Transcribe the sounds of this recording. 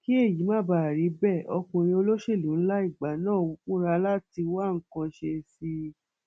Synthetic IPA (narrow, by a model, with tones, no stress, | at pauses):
ki˦e˦˨ji˨˦mãː˦˨ba˦˨ɾi˨˦bɛ˦˨ɔ˧kũ˧ɾ̃ĩ˧o˧lo˦ʃe˦˨lũ˨˦n̩˦la˦i˦˨ɡ͡ba˨˦nãː˦˨u˦k͡pũ˦ɾa˧la˦ti˧wa˦˨ŋ̩˦kã˧ʃe˧si˧